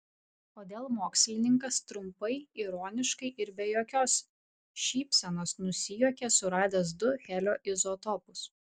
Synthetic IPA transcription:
oːd̪ʲeːlˠmoːksʲlʲɪnʲɪŋkɐst̪ɾʊmpɐɪiːɾoːnʲɪʃkɐɪʔɪɾbʲɛjoːkʲoːs | ʃʲiːpʲsʲɛnoːsnʊsʲɪjoːkʲɛsʊɾɑːd̪ʲeːs̬d̪ʊxʲæːlʲoːʔɪzot̪ɔpʊs

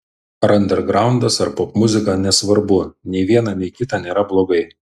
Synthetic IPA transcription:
ɾɐnʲd̪ʲɛɾɡɾɑˑʊnd̪ɐsɐɾpɔpmʊzʲɪkɑːnʲɛsʋɐɾbʊnʲɛɪʋʲiɛnɑnʲɛɪkʲɪt̪ɑːnʲeːɾɐblˠoːɡɐɪ

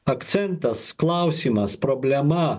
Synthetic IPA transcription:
ɐkt̪sʲɛnt̪ɐsklˠɐʊsʲiːmɐspɾɔːbʲlʲɛmɐ

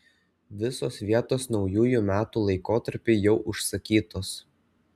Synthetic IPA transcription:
ʋʲɪsoːsʋʲiɛt̪oːsnɒʊjuːjuːˑmʲæːt̪uːlˠɐɪkoːt̪ɐɾʲpʲɪɪjɛʊʔʊʃsɐkʲiːt̪oːs

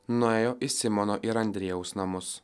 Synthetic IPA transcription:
nʊeːjoːʔisʲɪmɔːnoːʔiɾɐnʲd̪ʲɾʲeːjɛʊsnɐmʊs

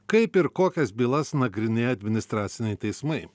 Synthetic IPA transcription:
kɐɪpɪɾkoːkʲɛsbʲiːlˠɐsnɐɡɾʲɪnʲeːjɐd̪ʲmʲɪnʲɪst̪ɾɑːt̪sʲɪnʲɛɪt̪ɐɪsmɐɪ

